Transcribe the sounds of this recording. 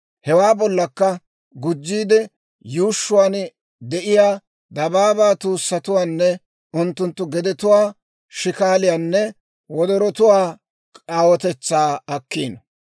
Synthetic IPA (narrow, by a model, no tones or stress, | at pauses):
hɛwaːbɔlːɐkːɐ | ɡʊd͡ʒːiːd̪ɛ | juːʃːʊwaːn | d̪ɛʔɪjaː | d̪ɐbaːbaːt̪uːsːɐt̪ʊwaːnːɛ | ʊnt̪ːʊnt̪ːʊɡɛd̪ɛt̪ʊwaː | ʃɪkaːlɪjaːnːɛ | wɔd̪ɔɾɔt̪ʊwaː | kʼaːwɔt̪ɛt͡sːaːɐkːiːn